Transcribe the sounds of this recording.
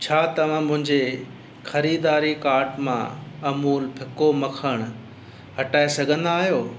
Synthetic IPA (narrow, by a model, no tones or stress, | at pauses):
t͡ɕʰaːt̪ɐʋ̤ãmʊ̃ɦɪ̃ɲd͡ʑe | xɐɾiːd̪aːɾikaːɾʈmã̰ɐmuːlpʰɪkomɐkʰəɽ̃̆ | hɐʈaːesɐɡʱə̃nd̪aːɦijoː